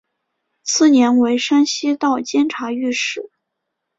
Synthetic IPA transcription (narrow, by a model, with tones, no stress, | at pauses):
t͡sʰɹ̩˥˩njɛ˧˥nwe˧˥ɪʂa˥nɕi˥t̪ɑ˥˩ʊt͡ɕjɛ˥nʈ͡ʂʰa˧˥y˥˧ʂɻ̩˥˩